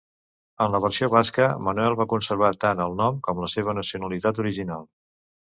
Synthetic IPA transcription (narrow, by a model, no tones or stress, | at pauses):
ənləβərsioβaskəmənuɛlˠβakunsəɾβ̞at̪anəlˠnɔmkɔmləseβ̞ənəsiunəlit̪at̪uɾiʒinalˠ